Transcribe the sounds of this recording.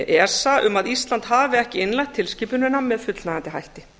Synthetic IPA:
ʔɛ̥saʔʏmaðist̪lant̪haːvɪɛhcɪɪnlajht̪ʰːɪlscɪːpʏnʏnːamːɛðfʏt̪lnaɣant̪ɪɦajht̪ɪ

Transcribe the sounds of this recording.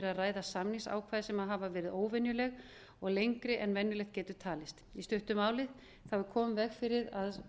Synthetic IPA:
ɾaðraːjðasamnɪŋsa̰ːwkʰvaːðɪsɛmaðɦavavɛːɾɪðoːwvɛnjʏlɛɣ | ɔɣlejŋkɾɪʔɛnvɛnːjʏlɛxt̪cɛːt̪ʏt̪ʰaːlɪst̪ist̪œht̪ʏmːaːwlɪð | θawvʏkʰɔːmʏvɛɣfɪɾɪðað

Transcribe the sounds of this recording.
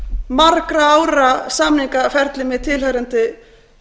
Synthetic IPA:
markɾaaːwɾasaːmniŋkafɛɾt̪lɪmɪðt̪ʰɪlhœɾʏnt̪ɪ

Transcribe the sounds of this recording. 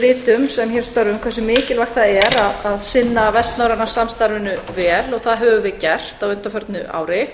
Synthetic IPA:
ɾɪːt̪ʏmsɛmçɛɾ̥st̪œɾvʏmkʰvɛɾsʏmɪːcɪlvaxt̪θaðɛɾaðaðsɪnːavɛst̪nawɾanḁsamst̪aɾvɪnʏvɛːlɔɣθaðɦœːvʏvɪðcɛr̥t̪awʏnt̪afœɾt̪nʏʔa̰ːwɾɪ

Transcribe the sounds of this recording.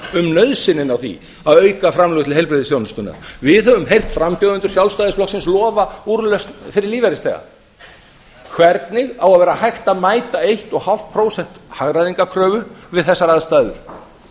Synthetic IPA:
ʏmnœɥðsɪnːɪnawθḭ | aðœːɥkafɾamlœɣʏt̪ʰɪlɦejlpɾɪðɪsjownst̪ʏna̰ɾvɪðhœvʏmɦejr̥t̪fɾampjɔðʏnt̪ʏ̥ɾ̥sjawlst̪aːðɪsflɔksɪnslɔːvauɾlœst̪fɪɾɪɾliːvaɾɪst̪ɛ̰ɣa̰ | kʰvɛɾt̪nɪɣawaðvɛːɾahajxt̪aðmaːjt̪aejht̪ɔɣhal̥t̪̚pʰɾoːwsɛn̥t̪haɣɾaðiŋkakʰɾœːvʏvɪðθɛsːaɾaðst̪aðʏ̰ɾ̥

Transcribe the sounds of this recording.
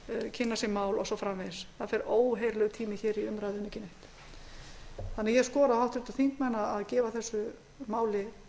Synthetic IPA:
cʰɪnːasɛmaːwlɔsɔfɾamvesθaðfɛɾoːwɦejɾlɛɣt̪ʰiːmɪçɛːɾiʏmɾaːjðʏnːɪcɪneht̪ | θanːaɣjɛskɔːɾaðhawht̪ɾɪt̪ḁθiŋ̥kmanaaðcɛːvaθɛsːʏ | maːwlɪ

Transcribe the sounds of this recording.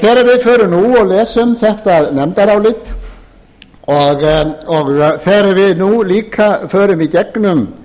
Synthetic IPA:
θɛːɾaɾvɪðfœːɾʏnuɔɣlɛːsʏmθɛht̪aðnɛmt̪aɾawlɪt̪ | ɔɣɔɣθɛɾvɪðnuliːkʰafœːɾʏmicɛknʏm

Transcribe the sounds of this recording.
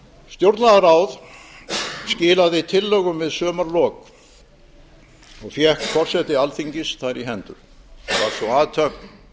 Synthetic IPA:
st̪jowɾt̪naðaɾaːwð | scɪːlaðɪit̪ʰɪlːœɣʏmvɪðsœːmaɾlɔːk | ɔɣfjɛhkfɔr̥sɛt̪ɪalθiɲcɪsθaɾiɦɛnt̪ʏ̰ | va̰ɾ̥svɔaːðt̪ʰœkn

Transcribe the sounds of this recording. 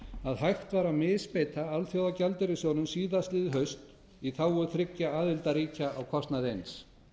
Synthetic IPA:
aðɦajht̪vaɾamɪːspeːjt̪ʰaalθjowðacalt̪ɪɾɪsjownʏmsiːðast̪lɪðɪɦœɥst̪ | iθawʏɾθɾɪcːaaːðɪlt̪aɾiːcaʔawkʰɔst̪naðejns

